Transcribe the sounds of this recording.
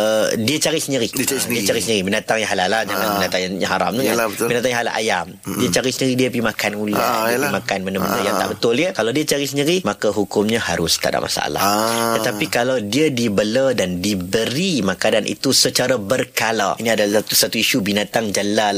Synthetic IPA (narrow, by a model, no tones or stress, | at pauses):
ədiat͡ʃaɾisəɲəɾisdiat͡ʃaɾisəɲəɾibinat̪aŋjaɦalalahd͡ʒaŋanbinat̪aɲãɦaɾa̰mnukanbinat̪aŋɲɦala̰ʔa̰jamdiat͡ʃaɾisənəɾidiəpimakanula̰makanmənəmənəjaŋt̪a̰ʔbət̪ʊljəkalawdiat͡ʃaɾisəɲəɾimakaɦukʊmɲahaɾʊst̪a̰da̰ʔmʔa̰sa̰ʔa̰la̰ht̪ət̪apikalawdiədibələdandibəɾimakananʔḭt̪usət͡ʃaɾabərkala̰iniadalst̪usat̪uiʃubinat̪aŋd͡ʒalal